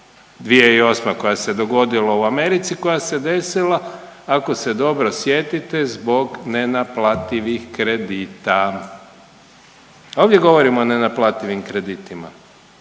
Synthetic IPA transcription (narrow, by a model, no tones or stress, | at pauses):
d̪ʋije̞io̞smako̞jase̞d̪o̞ɡo̞d̪ilauame̞ɾit̪siko̞jase̞d̪e̞silaako̞se̞d̪o̞bɾo̞sje̞t̪it̪e̞zbo̞ɡne̞naplat̪iʋixkɾed̪iːt̪a | o̞ːʋd̪ʲje̞ɡo̞ʋo̞ɾimoːne̞naplˠat̪iʋimkɾed̪it̪ima̰